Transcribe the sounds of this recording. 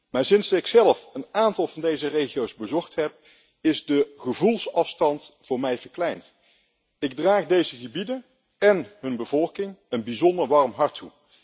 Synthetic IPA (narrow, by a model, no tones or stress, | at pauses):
maːɹsɪnsɪksɛlˠfənaːntɑlˠvɑndejzərejχiowzbəzɔχtɦɛp̚ | ɪzdəχəvulˠsɑfstɑntfʊːɹmɛjvəɹklɛjnt | ɪɡ̚draːχdejzəχəbidən | ɛnɦɵnbəvɔlˠkɪŋənbizɔndəɹʋɑɹmɦɑɹtʰu